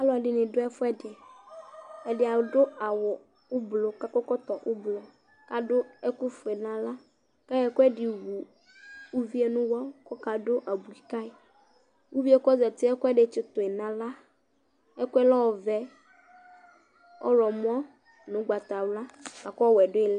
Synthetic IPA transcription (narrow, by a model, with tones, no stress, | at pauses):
a˦lɔ˨a˨ɖi˨nɪ̃˨ɖo˦ɛ˦fɔ˦ɛ˦de˨ | ɛ˨ɖɪ˨a˨wdo˦a˨wɔ˨ | o˦blo˨ka˦kɔ˦kɔ˦t̪ɔ˨ʔo˦blɔ˨ | ka˨ɖo˦ɛ˦ku˦fo˨e˨nã˨la˦ | ka˦jɛ˦ko˦ɛ˦ɖi˨wu˨ | u˦vi˦e˦nũ˦wɔ˦ko˦ka˨ɖo˦ʔa˨bu˨i˨ka˦e˨ | wu˦vi˦e˦kɔ˦zɛ˨t̪i˦ɛ˦kʊ˦ɛ˦ɖe˨t͡ʃɪ˦t̪o˨e˨nã˨la˦ | ɛ˦ku˦ɛ˦lɔ˦wɔ˨vɛ˦ | ɔ̰˦ɾɔ˨mũ˦a˦ | nũ˨˦ɡ͡ba˨t̪a˨wla˦a˨kwɛ˨ɖo˦e˨l